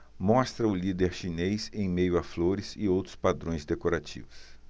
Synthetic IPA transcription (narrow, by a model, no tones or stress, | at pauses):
mɔst̪ɾɐʊlid̪eɾʃinejsẽj̃mejʊafloɾɪzɪowt̪ɾʊ̥spad̪ɾõj̃zd̪ekoɾat͡ʃḭvʊs